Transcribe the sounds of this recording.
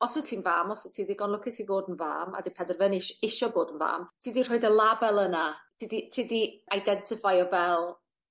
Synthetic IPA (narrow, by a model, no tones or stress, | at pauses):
ɔsɔtʰiːnvaːmɔsɔtʰiːdiɡɔnlˠʊkʰɪtʰiboːdənva̰ːma̰dipʰɛdərvənɪʃɪʃɔboːdən̩va̰ːmtʰiːdir̥oɨdəlˠabɛlˠənad̥iditʰiːdiajdɛntʰɪfajɔvɛlˠ